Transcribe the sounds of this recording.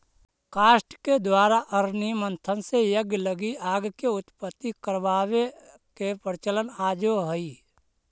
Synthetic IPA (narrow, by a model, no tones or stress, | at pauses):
kaːʃʈked̪waːɾaʔəɾnimə̃nt̪ʰənsejəɡləɡiaːɡkeʊt̪pət̪ːikəɾʋaːwe | kepəɾɪt͡ʃələnaːd͡ʒoɦəi